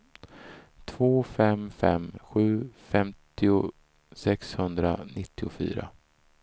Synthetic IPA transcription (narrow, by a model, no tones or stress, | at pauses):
t̪ʰvoːfɛmfɛ̰mɧʉ̟ːfɛmt̪ɪʊ | sɛkshɵnd̪ɾanɪt̪ʰːɪʊfy̰ːɾa̰